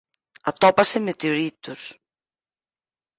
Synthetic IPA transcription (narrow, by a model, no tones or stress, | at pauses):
at̪ɔpasemet̪eoɾit̪us